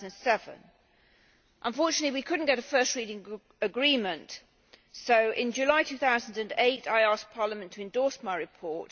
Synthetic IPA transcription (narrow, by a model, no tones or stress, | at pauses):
ñnsɛvə̰̃n | ʔə̃ɱfɔˑt͡ʃənətˡliwikʰʊdⁿn̩ɡ̥ɛɾəfɜˑstɹiɾɪ̃ŋ | əɡɹĩmə̃nt | soʊʔɪ̃nd͡ʒɨlaɪtʰʉθaʊzə̃n̩dɨ̃neɪtaɪɑˑsk̚pʰɑːləmə̃ntʰəɨ̃ndɔˑɹsmaɪɹɨpʰɔɹt